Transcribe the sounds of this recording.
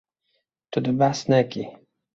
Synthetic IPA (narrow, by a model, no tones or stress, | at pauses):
t̪ud̪əbasnɛki